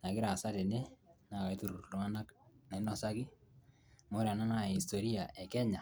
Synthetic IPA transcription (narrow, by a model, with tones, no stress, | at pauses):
na˨kɪ˦ɾa˨sa˦te˨ne˦na˨ka˨i˦tu˨ɾu˨lwa˦na˦kne˨˦nɔ˨sa˦ki˦ | mo˨˦ɾa˨na˦na˦˨i˨sto˨ɾi˦a˨ʔɛ˨kɛ˦ɲa˨